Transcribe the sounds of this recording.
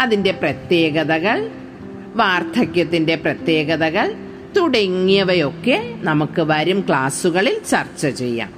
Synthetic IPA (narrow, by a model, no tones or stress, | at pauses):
ɐðinde̞prɐt̪je̞ːɣɐðɐɣɐɭ | ʋaːrt̪ʰɐkʲjɐt̪ːinde̞prɐt̪je̞ːɣɐðɐɣɐɭ | t̪uɽɐŋːijɐʋɐjo̞kːe̞nɐmukːɨʋɐɾumkɭaːsuɣɐɭilt͡ɕɐrt͡ɕːɐt͡ɕe̞jːa̰ːm